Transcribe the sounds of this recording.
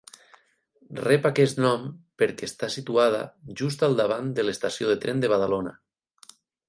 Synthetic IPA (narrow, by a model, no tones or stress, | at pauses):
rɛpakɛst̪nɔmpeɾkest̪asit̪uað̞a̰ʒust̪alˠd̪aβ̞and̪elest̪asjoðet̪ɾɛnd̪eβað̞alona̰